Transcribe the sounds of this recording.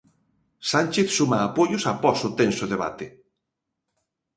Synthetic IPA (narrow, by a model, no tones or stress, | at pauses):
sanʲt͡ʃeθsumaːpojʊsapɔsot̪ensoðeβ̞a̰t̪e